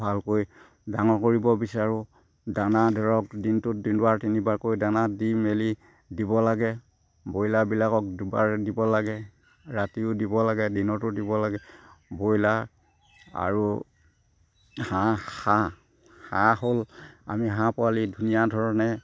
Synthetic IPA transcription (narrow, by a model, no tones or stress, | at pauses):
bʱalkoj | daŋɔkoɹibɔbisaɹʊ | danadʱɔɹɔkdintʊt̚dindʊaɹtinibaɹkojdanadimeli | dibɔlaɡɛ | bojlabilakɔk̚dba̰ɹdibɔlaɡɛ | ɹatiʊdibɔlaɡɛdinɔtʊdibɔlaɡɛbojla | a̰ɹu | hãhã | hãhola̰miɦãpʊalidʱunijadʱɔɹɔnɛ